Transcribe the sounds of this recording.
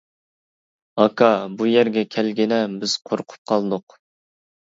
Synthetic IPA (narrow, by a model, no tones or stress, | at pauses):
ɑkʰɑbujæɾɡʲɛkʲʰɛlɡʲinɛbɪz̥qʰoɾqʰʊ̥p̚qʰɑlˠd̪ʊq